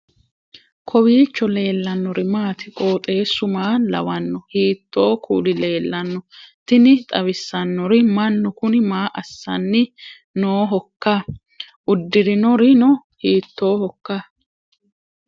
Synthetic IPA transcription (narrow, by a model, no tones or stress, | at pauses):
kʰɔwiːt͡ʃːɔle̞ːlːɐnːɔɾɪmaːt̪ɪkʼo̞ːt̪ʼe̞ːsʊmaːlɐ̰wɐnːɔhiːt̪ːo̞ːkʰṵːlɪle̞ːlːɐnːɔt̪ɪnɪt̪ʼɐβɪsːɐnːɔɾɪmɐnːɔkʊnɪmaːʔɐsːɐnːɪ | noːɦɔkːa | ʔʊd̪ːɪɾɪnɔɾɪnɔ | hiːt̪ːo̞ːhɔkːaː